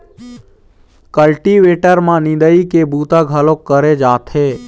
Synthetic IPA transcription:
kəlʈiʋeʈəɾmãnɪ̃d̪əikebuːt̪aɡʱəlokːəɾed͡ʒaːt̪ʰɦeː

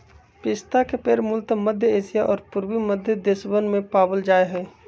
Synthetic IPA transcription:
pɪst̪akepeːɾmʊlt̪məd̪ʱjəeːsijaʔɔːɾpʊɾwiməd̪ʱjəd̪ɪsbənmẽpaːbəld͡ʒaːeɦɛː

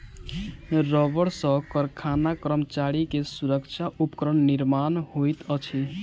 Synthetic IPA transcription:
ɾɔbəɽsə̃kəɾkʰanakɾəmt͡ʃaɽikesuɾəkt͡ʃʰaʔupkɾəɳniɾmanhojt̪ət͡ʃʰi

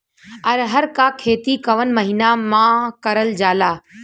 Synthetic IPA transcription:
ɐɾɦɐɾkaːkʰeːt̪ikɐʋənmɐɦiːnamãːkɐɾəld͡ʒaːlaː

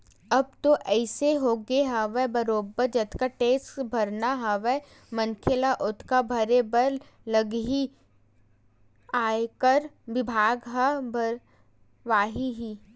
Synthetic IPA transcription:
ɐb̚t̪oʔɛːseɦoːɡeɦaʋɛbɐɾoːbəɾd͡ʒɐt̪ʰkaʈeːsbʱɐɾnaɦɐʋɛ | mɐnkʰelaʔʊt̪ʰkabʱɐɾebəɾ | lɐɡɦi | aːekəɾʋɪbʱaːɡɦabʱəɾ | ʋaːɦiɦiː

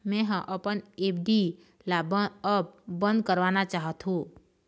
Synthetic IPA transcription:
mɛ̃ɦə̃ʔəpənepʰɖi | laəp̚bə̃nd̪̚kəɾʋanat͡ʃaɦət̪ɦũ

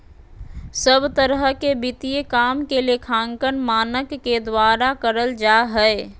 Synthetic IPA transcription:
səbt̪əɾəɦkebɪt̪ijekaːmkeliekʰãːŋkənmaːnəkːed̪waːɾakəɾəld͡ʒaːɦɛe

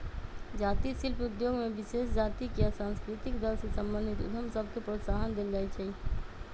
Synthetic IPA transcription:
d͡ʒat̪isilpud̪joɡmebisesd͡ʒat̪ikjasãnskɾit̪ikd̪əlsesəmbənd̪ʱit̪ṵd̪əmsəbʱkepɾot̪saɦənd̪eld͡ʒajt͡ʃʰɛ

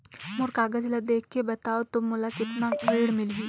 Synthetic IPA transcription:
mʊɾkaːɡəd͡ʒlad̪eːk̚ʰkːebɐt̪aːot̪ʊmːʊlakɪt̪nakɾeːɽmɪlɡiː

